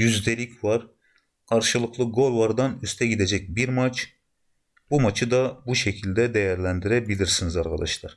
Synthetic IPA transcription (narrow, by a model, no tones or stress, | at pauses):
jyzd̪ɛlʲicʲvɑɾ | kʰɑɾʃɯlˠɯqʰlˠɯɡo̞lˠvɑɾd̪ɑnyst̪ʰɛɡʲid̪ɛd͡ʒɛc̚ʲbiɾmɑt͡ʃ | b̥umɑt͡ʃʰɯd̪ɑbuʃɛcʰilʲd̪ɛd̪ɛjæɾlʲɛnd̪iɾɛbilʲiɾsinizɑɾʁɑd̪ɑʃlˠɑɾ